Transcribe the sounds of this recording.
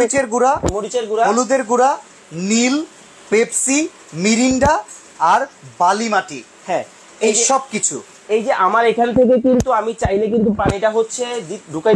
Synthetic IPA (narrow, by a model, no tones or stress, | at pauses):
it͡ɕeɾɡuɾamoɾit͡ɕeɾɡuɾaolud̪eɾɡuɾa | nil | pebsi | miɾiɳɖaː | ɾbalimaʈḭ | hɛ̃ | ejʃɔb̚kit͡ɕʰṵ | ejd͡ʑeʔamaɾekʰant̪ʰek̬ek̬int̪uamit͡ɕajnek̬int̪upaniʈaɦotːɕʰed̪iɖʱuka